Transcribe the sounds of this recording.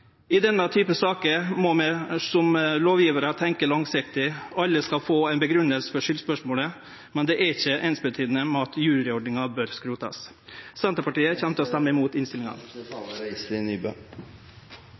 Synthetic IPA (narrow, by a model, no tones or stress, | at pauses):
ɪd̪ɛnːət̪ʰyːpəsɑːkəmɔmɛsɔmloːʋjiːʋəɾət̪ʰɛŋkəɭɑŋsɪkt̪ɪʔɑlːəskɑlfoːæɪnbəɡɾʉnːəlsə̥fɔʂʏlspœʂmoːlə | mɛnd̪ɛʔɛɾɪçəʔɛːnsbət̪ʰyːd̪ənəmɛɑt̪jʉːɾɾɪɔɖɳɪŋɑbøːɾskɾuːt̪ɑ̰s | sɛnt̪ɾəpɑʈiːəçɛmt̪əɔst̪ɛmːəɪmuːt̪ɪnst̪ɪlɪŋɑ̰n | ɪnyːbø̰